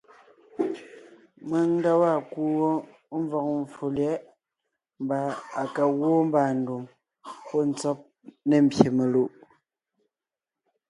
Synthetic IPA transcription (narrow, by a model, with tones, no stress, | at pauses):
me˨˦ŋn˦da˦wa˦˨ku˦wo˦ | ɱ˦vɔ˨k̚ɱ˨fu˨ljɛ˦ | m˦ba˨a˨ka˨ɣwo˦m˦ba˨n̩˦˨du˨ŋ | pɔ˦˨n̩˦t͡sɔ˦p̚ | ne˦˨m̩˨bje˨me˨lu˦˨ʔ